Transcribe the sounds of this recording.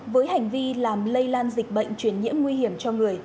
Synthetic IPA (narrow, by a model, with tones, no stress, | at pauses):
vəː˨˦jha˨˩jŋ̟vi˧laː˨˩mlə˧jlaː˧nzi˨˩k̟̚ɓə̰˧˨jŋ̟t͡ɕwi˧˩ənɲḭ˧˥əmŋwi˧hi˧˩əmt͡ɕɔ˧ŋɨ˨˩əj